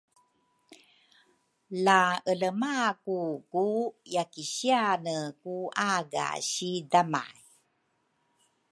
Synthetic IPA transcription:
laələmakukujakiɕianəkuʔaɡa̰ɕidama̰j

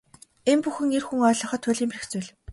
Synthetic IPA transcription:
empuxɘ̆ŋerxuŋœːɮɞ̆χɞ̆t̪ʰːʊɮiːmperɘ̆xt͡sʊːɮ

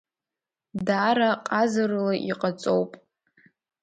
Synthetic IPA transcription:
daɾaqʼazarlaʔiqʼat͡sʼowpʼ

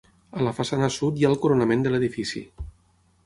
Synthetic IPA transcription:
ələfasanəsut̪jalˠkuɾonəmẽnd̪ələðifisḭ

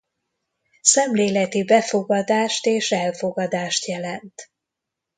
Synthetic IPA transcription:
sɛmleːlɛt̪ibɛfo̞ɡɒd̪aːʃt̪eːʃɛlfoɡɒd̪aːʃt̪jɛlɛnt̪

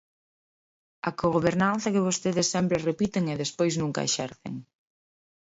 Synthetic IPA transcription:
ɐkoɣoβeɾnãnθɐkɪβ̞ost̪eðɪsːɛmpɾerepit̪eŋeðespojznuŋkɐ̰ḛʃɛ̰ɾθḛŋ

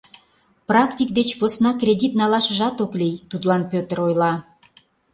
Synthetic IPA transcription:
prɑkt̪ʲik̚d̪et͡ɕposnɑkrʲed̪ʲit̪nɑlɑʃə̆ʒɑt̪oklijt̪ut̪lɑnpøt̪əɾojlɑ

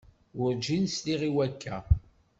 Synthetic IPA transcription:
wʊɾd͡ʒinsliʁiwækʰːæ

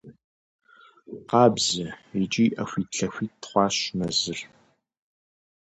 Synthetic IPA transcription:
qɑːbzɐit͡ʃʼiːʔɐxʷiːtɬɐxʷiːttχʷɑːɕmɐzɨr

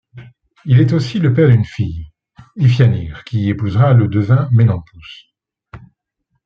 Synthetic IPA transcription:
ilɛt̪osiləpɛʁd̪ynfij | ifjaniʁkʲiepuzʁaləd̪əvɛ̃melɑ̃pus

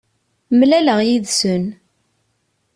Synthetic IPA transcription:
mlæləʁjiðsən

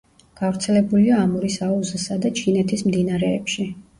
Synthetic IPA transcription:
ɡ̥avɾt̪sʰɛlɛbuliaːmuɾisauzisad̪at͡ʃʰinɛt̪ʰismd̪inaɾɛːpʃi

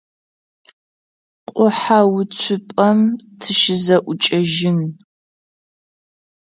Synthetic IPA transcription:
qʷʼʊħawʊt͡sʷʰʊpʼɐmtʰɨʃɪzɐʔʷʊt͡ʃʼɐʒɪn

